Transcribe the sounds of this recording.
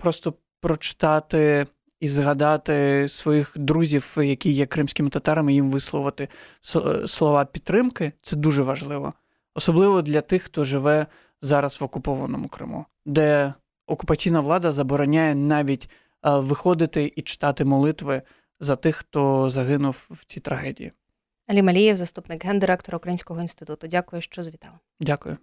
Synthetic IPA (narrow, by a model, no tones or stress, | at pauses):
pɾɔst̪ɔ | pɾɔt͡ʃɪ̥t̪ɑt̪ɪ | izɦɐd̪ɑt̪ɪsʋɔjixd̪ɾuzʲiwjɐkʲijɛkɾɪmsʲkʲɪmɪt̪ɐt̪ɑɾɐmɪjimʋɪslˠɔʋɐt̪ɪ | slˠɔʋɑpʲit̪̚ːɾɪmkɪt̪sɛd̪uʒɛʋɐʒlˠɪʋɔ̰ | ɔsɔblˠɪʋɔd̪lʲɐt̪ɪxt̪ɔʒɪʋɛ | zɑɾɐsʋɔkʊpɔʋɐnɔmʊkɾɪ̰mṵ | d̪ɛ | ɔkʊpɐt͡sʲijnɐʋlˠɑd̪ɐzɐbɔɾɔnʲajɛnɑʋʲitʲ | ʋɪxɔd̪ɪt̪ɪʔit͡ʃɪ̥t̪ɑt̪ɪmɔlˠɪt̪ʋɪ | zɐt̪ɪxt̪ɔzɐɦɪnʊwwt͡sʲit̪ɾɐɦɛdʲḭjḭ | ɐlʲimɐlʲijɛwzɐst̪upnɪkɦɛnd̪ɪɾɛk̚t̪ɔɾɐʊukɾɐjinʲsʲkɔɦɔinst̪ɪ̥t̪ut̪ʊdʲakʊjɛʃt͡ʃɔzʋʲit̪ɑlˠɐmdʲakʊjʊ